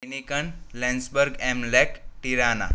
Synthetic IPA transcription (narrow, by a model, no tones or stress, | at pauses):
nikəɳlɛ̃nsbəɾɡemlɛkʈiɾana̰